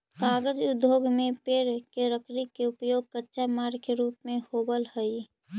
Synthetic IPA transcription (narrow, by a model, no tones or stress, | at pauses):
kaːɡəd͡ʒʊd̪ʱjoːɡmẽpeːɾkeɾəkɾikeʊpjoːɡ̚kətːʃamaːɾkeɾuːpmẽhobəlhəi